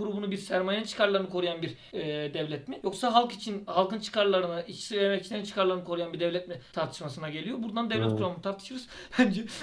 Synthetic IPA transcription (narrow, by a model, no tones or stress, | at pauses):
uɾubunubiɾsæɾmajant͡ʃʰɯ̥kaɾlˠaɾɯnɯkʰo̞ɾujanbiɾ | d̪ɛvlʲɛt̪mijo̞ksaɦalˠkit͡ʃʰinhalˠkɯnt͡ʃʰɯ̥kʰaɾlˠaɾɯnɯʔit͡ʃi̥siveemɛcit͡ʃʰinant͡ʃʰɯ̥kʰaɾlˠaɾɯnɯkʰo̞ɾujanbiɾd̪ɛvlʲɛt̪mɛt̪ʰaɾt̪ʰɯ̥ʃmasɯnaɟe̞lʲijo̞buɾd̪and̪ɛvlʲɛt̪kʰuɾamunɯt̪ʰaɾt̪ʰɯ̥ʃɯɾɯz̥ | bænd͡ʒɛ